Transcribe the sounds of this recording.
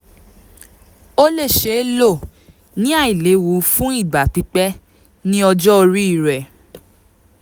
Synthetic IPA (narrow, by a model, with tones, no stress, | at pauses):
o˦le˦˨ʃe˨˦lo˦˨ | nĩ˦a˦˨i˨le˨˦wu˨˦fũ˦i˦˨ɡ͡ba˨k͡pi˨˦k͡pɛ˦ | nĩ˦ɔ˧d͡ʒɔ˦o˧ɾi˦i˦˨ɾɛ˨